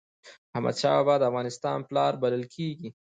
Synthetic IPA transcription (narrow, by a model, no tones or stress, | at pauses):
hamʔa̰d̪ʃɑwabɑd̪əafɣɑnɪst̪ɑ̰nplɑɾbaləlkʰeɡi